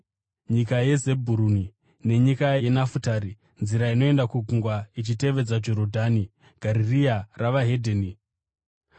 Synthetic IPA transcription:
ɲikaje̞ze̞bʱuɾuni | ne̞ɲikaeenafutaɾi | nziɾaino̞e̞ndakuɡʱuŋɡwait͡ʃite̞ʋe̞d͡zad͡ʒo̞ɾodʱani | ɡ̥ʱaɾiriaraʋaɦe̞dʱeni

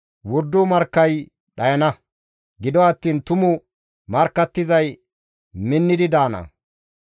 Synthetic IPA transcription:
wʊɾd̪ːʊmɐɾkːɐj | ɗɐjɐnɐ | ɡɪd̪ɔɐt̪ːiːnt̪ʊmʊ | mɐɾkːɐt̪ːɪzɐj | mɪnːɪd̪ɪd̪aːnɐ̰

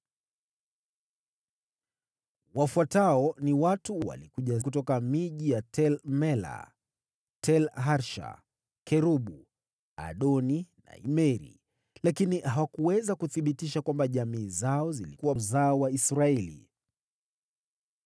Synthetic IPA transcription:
wafuataɔniwatuwa̰likuʄakutɔkamiʄijatʰɛlmɛla̰ | tʰɛlɦaɾʃa̰ | kɛɾuɓu | a̰ɗɔnina̰ḭmɛɾḭ | lakinihawakuwɛzakuθiɓitiʃakwambaʄamiːzaɔzilikuwazaɔwaisɾaɛlḭ

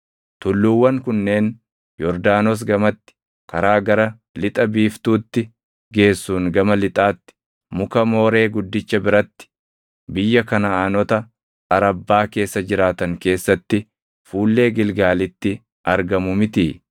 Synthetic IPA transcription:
t̪ʊlːuwːɐŋkʊnːe̞ːn | jɔɾd̪aːnɔs̬ɡɐmɐt̪ːɪ̥ | kɐɾaːɡɐɾɐ | lɪt̪ʼɐbiːft̪uːt̪ːɪ | ɡe̞ːsːuːŋɡɐmɐlɪt̪ʼaːt̪ːɪ̥ | mʊkɐmo̞ːɾe̞ːɡʊd̪ːɪt͡ʃːɐbɪɾɐt̪ːɪ̥ | bɪjːɐkɐnɐaːnɔt̪ɐ | ɐɾɐbːaːke̞ːsːɐd͡ʒɪɾaːt̪ɐŋke̞ːsːɐt̪ːɪ | fuːlːe̞ːɡɪlɡaːlɪt̪ːɪ | ʔɐɾɡɐmʊmɪt̪iː

